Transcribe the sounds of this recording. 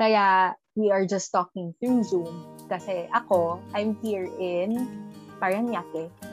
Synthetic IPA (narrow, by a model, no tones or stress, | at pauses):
kɐja | wiɐɹd͡ʒɐst̪ːɔkɪ̃ŋθɹuzumskɐsɛʔɐkoʔajmhiːɹɪnpaɹɐnjakɛ